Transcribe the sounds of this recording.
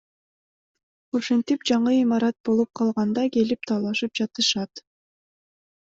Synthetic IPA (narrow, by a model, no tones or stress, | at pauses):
oʃent̪ipd͡ʒɑɴɯimɑɾɑt̪̚bo̞lˠup̚qʰɑlˠʁɑnd̪ɑke̞lip̚t̪ʰɑːlˠɑʃɯp̚d͡ʒɑt̪ɯʃɑt̪